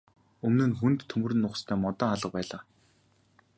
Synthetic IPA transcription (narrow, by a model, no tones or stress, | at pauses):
ɵmnɘ̆nxunt̪ʰːɵmɵ̆rɘ̆nːʊχst̪ʰæːmɔt̪ɔːaɮə̆q̚pæːɮaː